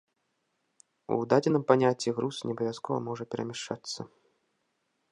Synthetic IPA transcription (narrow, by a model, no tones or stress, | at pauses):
ṵd̪ad͡zʲɪnɨmpanʲat͡sʲːiɣɾusnʲɐbɐvʲaskɔvɐ̰mɔʐɐpʲɛɾʔɐ̰mʲɛʂt͡ʂat̪sːɐ